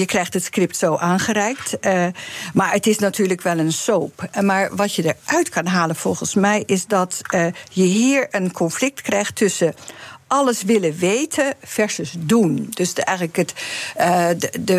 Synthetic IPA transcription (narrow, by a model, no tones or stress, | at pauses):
jəkrɛjxtətskrɪp̚tsoːʔaːnχəɾɛjkt | maːɹətɪsnatʰyːɹləkʋɛlˠənsoːpmaːɹʋɑtjədəɹʔœɥtkʰɑnɦaːləv̥ɔlˠχənsmɛjʔɪsdɑtjəɦiːɹənkʰɔnflɪk̚tkrɛjxtːɵsəʔɑləsʋɪləʋejtʰəfɛɹsəsdundøsɛjɣələkət | d